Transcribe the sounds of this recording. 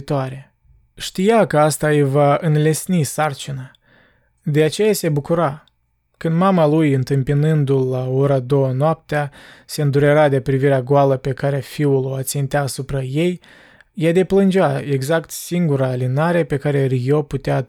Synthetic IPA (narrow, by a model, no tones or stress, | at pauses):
t̪oaɾe̞ | ʃt̪ijakəast̪aəjvaɨnle̞snisart͡ʃinə | d̪e̞at͡ʃe̞jase̞bukuɾa | kɨnd̪mamalujɨnt̪ɨmpinɨnd̪ulːao̞ɾad̪o̞wənoap̚t̪ease̞ɨnd̪uɾe̞ɾad̪e̞pɾiviɾeaɡoaləpe̞kaɾeafiuloat̪sint̪eaːsupɾaje̞j | jad̪e̞plɨnd͡ʒeae̞ɡzakt̪siŋɡuɾaːlinaɾe̞pe̞kaɾe̞rijoput̪ea